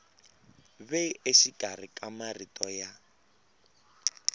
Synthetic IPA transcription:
βeeʃikar̤ikʼamaritʼɔja

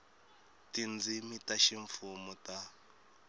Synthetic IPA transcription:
tind͡zimitaʃiɱfumuta

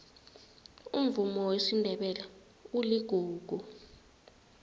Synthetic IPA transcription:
um̩vumɔwesindʱɛɓɛla | uliɡ̥ʱuːɡ̥ʱu

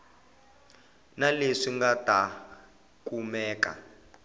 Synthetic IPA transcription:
naleʂiŋɡata | kumɛːka̰

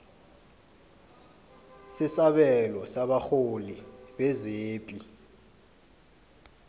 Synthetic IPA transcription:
sisaɓɛlɔsaɓaxoliɓɛzeːpʼi

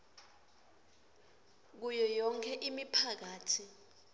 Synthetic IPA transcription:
k̬ujɔjɔŋkʰɛʔimipʰak̬aːtʰi

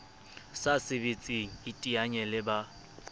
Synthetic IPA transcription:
sasɪbet͡sʼiŋ̩itʼiaɲɛlɪba

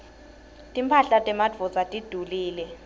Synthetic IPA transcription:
tʼimpʰaɬatʼɛmadd͡vʱɔzatʼid̥ʱuliːlɛ

